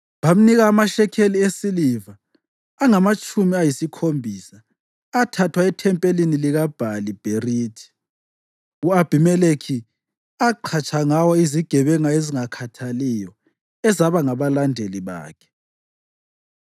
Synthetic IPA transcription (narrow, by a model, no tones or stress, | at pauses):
βam̩niɣaːmaʃɛkʰeliesilivaː | ŋamat͡ʃʼumiajisikʰombʱisaː | tʰatʰwaɛtʰɛmpʼeliniliɣab̥ʱalib̥ʱeriːtʰi̥ | uab̥ʱimɛlekʰi | aǃʰat͡ʃʰʼaŋawɔiziɡ̥ʱɛβɛŋaeziŋakʰatʰalijɔ | ɛzaβaŋaβalandʱeliβa̰ːkʰɛ̥